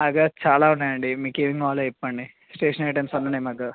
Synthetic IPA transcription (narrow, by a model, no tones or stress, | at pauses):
ɐːɡat͡ʃaːlaːunːaːjɐɳɖimiːkeːʋiŋɡʋaːloɛpːɐɳɖi | sʈeːʂɐneʈ̬ɐmsɐnːɐnemɐɡa